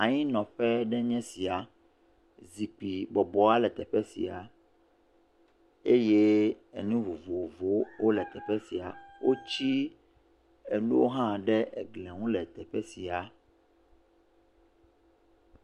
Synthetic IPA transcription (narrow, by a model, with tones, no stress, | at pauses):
a˨ɲĩ˦nɔ̃˨ɸɛ˦ɖɛ˦ɲɛ̃˦si˨a˨ | zi˨k͡pi˨bɔ˨bɔ˨a˦lɛ˨t̪ɛ˨ɸɛ˦sḭ˨a˨ | e˦je˦ | ḛ˨nũ˦vo˨vo˨vo˦wo˦lɛ˨t̪ɛ˨ɸɛ˦si˨a˨wo˦t͡ɕi˦ | e˨nu˦o̰˦ɦã˦ɖɛ˦ʔɛ̰˨ɡlɛ̃˨ŋũ˦lɛ˨t̪ɛ˨ɸɛ˦si˨a˨